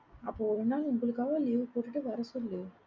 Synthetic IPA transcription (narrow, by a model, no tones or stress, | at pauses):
ɐpːoːɔɾɯnːaːlʊŋɡɐlɯkːaːʋoliːʋɯpoːʈːiʈːɯʋɐɾɐsulːɯ